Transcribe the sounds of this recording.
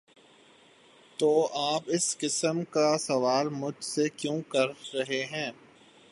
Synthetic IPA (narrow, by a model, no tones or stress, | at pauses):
t̪oːʔaːpɪsqɪsəmkasɐʋaːlmʊd͡ʒʱsekjõːkɐɾɾɐɦeɦɛ̃ː